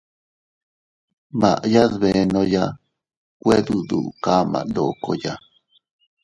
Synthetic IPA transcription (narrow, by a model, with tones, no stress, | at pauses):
ma˨ʔja˦ðβe˨noja | kwe˦ðu˨d̪ṵʔka˦ma̰˨d̪oko̰ja